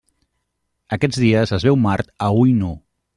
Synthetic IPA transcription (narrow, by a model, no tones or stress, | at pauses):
əkɛd͡zðiəzəzβɛwmaɾt̪əujno